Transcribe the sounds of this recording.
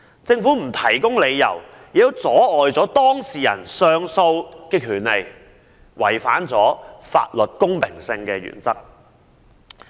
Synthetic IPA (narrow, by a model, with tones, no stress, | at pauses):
t͡sɪ˧ŋfuː˨˥m̩˨˩t̪ʰɐ˨˩jkʊ˥ŋle˨˧jːɐ̰˨˩w | jt̪o˥wt͡sɔː˨˥ɔː˨jt͡sɔː˨˥t̪ɔː˥ŋsiː˨˩jɐ̰˨˩nsœː˧ŋso˧wkɛː˧kʰyː˨˩nle˨˧j | wʔɐ̰˨˩jfa̰ː˨˥nt͡sɔ̰ː˨˥fa̰ː˧t̚lɵ˨t̚kʊ˥ŋpʰɪ˨˩ŋsɪ˧ŋkɛː˧jy̰ː˨˩nt͡sɐ˥k̚